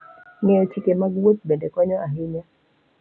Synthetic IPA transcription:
ŋɛɔt͡ʃikemaɡwot̪̚bendɛkɔɲɔaɦɪɲa

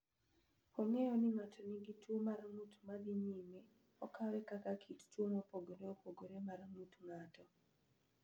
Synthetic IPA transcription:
ɔŋɛjɔnɪŋatʰɔniɡitwomarŋutmad̪iɲime | ɔkʰawɛkakakʰittwomopoɡoɾeopoɡoɾemarŋutŋatɔ

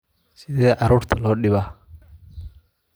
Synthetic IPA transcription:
sɪðɛːʔɐɾʊɾt̪ʰɐlɔːɗɪβa

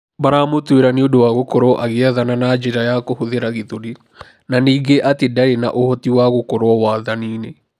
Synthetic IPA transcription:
baɾamotweɾaneodowaɣokoɾɔʔaɣeaðananad͡ʒeɾajakohoðeɾaɣeðoɾi | naniːɡeʔatedaɾena̰ʔohɔtiwaɣokoɾwɔwaːðanine

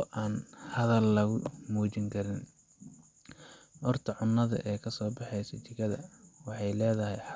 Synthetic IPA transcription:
ɔʔaːnhɐðɐlːɐɣʊmuːt͡ʃɪŋkʰɐɾɪn | ʔɔrt̪ʰɐʕʊnːɐðɐ̰ʔɛːkʰɐsɔːbɑħɛjsɐ̰t͡ʃɪɣɐðɐ̰wɑħɑjlɛːðɐɦɛjħ

